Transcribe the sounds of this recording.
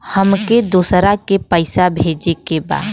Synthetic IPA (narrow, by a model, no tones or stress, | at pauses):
həmked̪uːsɾakepəɪsabʱeːd͡ʒekeba̰ːd̪